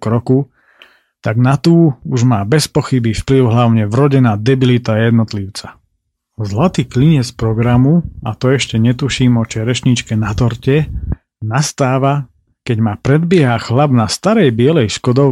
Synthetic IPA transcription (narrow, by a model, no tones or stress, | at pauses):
kɾɔku | t̪aɡnat̪uːuʒmaːbɛspɔxibifpliʊɦlaʊɲɛvɾɔɟɛnaːd̪ɛbilit̪ajɛd̪nɔt̪liʊt͡sa | zlat̪iːkliɲɛt͡spɾɔɡɾamuat̪ɔɛʃcɛɲɛt̪uʃiːmɔt͡ʃɛɾɛʃɲit͡ʃkɛnat̪ɔɾcɛ | nast̪aːʋa | kɛɟmaːpɾɛd̪bɪɛɦaxlabnast̪aɾɛjbɪɛlɛjʃkɔd̪ɔ